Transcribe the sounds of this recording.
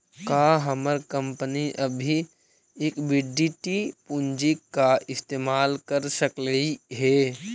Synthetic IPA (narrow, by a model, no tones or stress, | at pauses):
kaːɦɐməɾkə̃mpəniʔəbʱi | eːkbɪɖiʈipʊ̃nd͡ʒikːaʔɪst̪eːmaːlkəɾsəkləiɦɛː